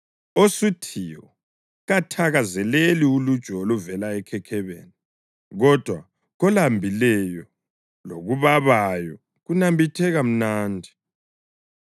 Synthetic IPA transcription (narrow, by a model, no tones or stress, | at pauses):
osutʰijɔ | ɣatʰaɣazɛleliulud̥ʒ̥ʱɔluvɛlaɛkʰɛkʰɛβḛːni | ɣɔd̥ʱwa | ɣɔlambʱilɛjɔ | loɣuβaβajɔ | ɣunambʱitʰɛɣam̩naːndʱi